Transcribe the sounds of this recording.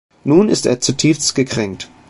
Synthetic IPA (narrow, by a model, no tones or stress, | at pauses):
nuːnɪ̰stḛːɐt͡sutʰiːfstɡ̥əkʁ̥ɛŋk̚t